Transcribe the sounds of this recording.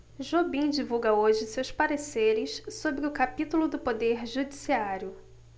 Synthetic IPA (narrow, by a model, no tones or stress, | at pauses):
ʒobĩd͡ʒivuɡɐoʒɪsewspaɾeseɾɪʃsobɾɪʊkapit̪ulʊd̪ʊpod̪eɾʒud͡ʒisiaɾjʊ